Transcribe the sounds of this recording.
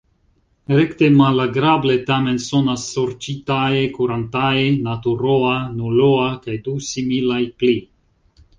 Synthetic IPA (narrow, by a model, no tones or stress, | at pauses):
ɾekt̪e̞malaɡɾable̞tame̞nso̞nasːoɾt͡ʃitajekuɾant̪aenat̪uɾoanuloakajdusimilajpli